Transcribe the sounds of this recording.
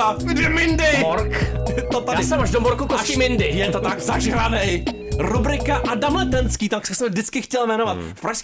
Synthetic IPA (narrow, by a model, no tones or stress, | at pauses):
adɛmɪndɪɾkt̪ot̪aɪsɛmaʒdomoɾkukoimɪndɪjɛt̪ot̪aɡzaʒɾanɛj | ɾubɾɪkaʔadamlɛt̪ɛnskiːt̪aksɛsɛmvdɪt͡skɪxcɛlmɛnovat̪fpɾaʃsk